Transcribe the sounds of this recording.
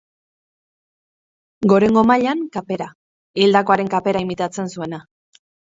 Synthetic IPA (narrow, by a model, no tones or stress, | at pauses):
ɡo̞ɾe̞ŋɡo̞maʎaŋkape̞ɾa | ild̪ako̞aɾe̞ŋkape̞ɾaimit̪at͡se̞nsue̞na